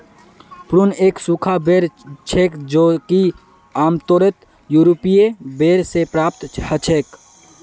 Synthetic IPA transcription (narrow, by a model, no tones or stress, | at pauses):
pɾuneːksuːkʰabeːɾt͡ʃʰeːkd͡ʒoːki | aːmt̪oːɾət̪ | juːɾopiebeːɾsepɾaːp̚t̪hət͡ʃʰeːk